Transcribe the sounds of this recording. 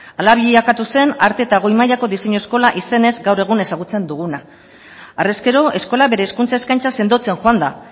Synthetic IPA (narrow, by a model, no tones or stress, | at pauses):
alaβiʎiakat̪use̞naɾt̪e̞ːt̪aɣ̞o̞jmajako̞ðise̞ɲoesko̞laʔise̞ne̞zɡawre̞ɣ̞une̞saɣ̞ut͡se̞nd̪uɣunaː | reskeɾo̞ʔe̞sko̞laβe̞ɾe̞ːskunt͡sae̞skajnt͡sase̞nd̪ot͡se̞nʝoand̪a